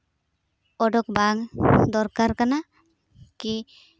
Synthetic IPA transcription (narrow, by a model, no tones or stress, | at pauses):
ɔɖɔkbaŋd̪ɔɾkaɾkana | ki